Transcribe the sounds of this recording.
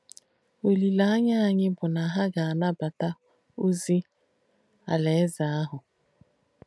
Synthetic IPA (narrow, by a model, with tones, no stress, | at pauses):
o˨li˨la˦a˦ɲa˦a˨ɲɪ˦bʊ˨na˨ɦa˦ɡa˨a˨na˦ba˨ta˦ | o˦zi˦ | a̰˨le˨˦za˨a˦ɦʊ˨